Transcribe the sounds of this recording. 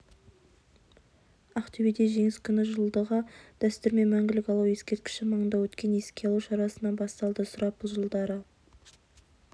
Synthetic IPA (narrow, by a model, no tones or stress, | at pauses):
ɑqt̪ʰɵbed̪e̞ʒe̞ŋɪskʲʰʏnɪʒəlˠd̪əʁəd̪̥æst̪ʏɾme̞mæŋɡʲɪlɪkʲɑlˠuwje̞skʲe̞ɾt̪̚kʲɪ̥ʃɪmɑɴənd̪ɑwɵt̪kʲe̞ne̞skʲeɑlˠuʃɑɾɑsənɑnbɑst̪ɑlˠd̪əsʊɾɑp̚bʊlˠʒəlˠd̪ɑɾə